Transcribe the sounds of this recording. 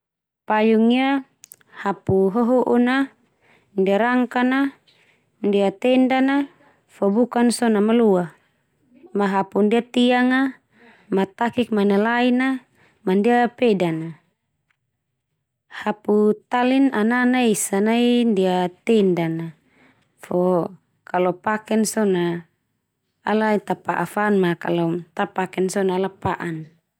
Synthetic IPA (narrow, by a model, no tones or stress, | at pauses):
pajuŋia | hapuɦɔɦɔʔuna | ndiaɾaŋkana | ndiat̪ɛndana | fɔbukansɔnamalua | maɦapundiat̪iaŋa | mat̪akik̚manalaina | mandiapɛdana | haput̪alinananaisanaindiat̪ɛndana | fɔ | kalɔpakɛnsɔna | lait̪apaʔa̰fanmaka̰lɔt̪apakɛnsɔnaːlapaʔan